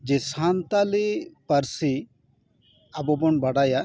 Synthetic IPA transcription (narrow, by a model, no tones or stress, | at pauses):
d͡ʒesant̪alipɐɾsi | ɐbɔbɔɳbɐɽaja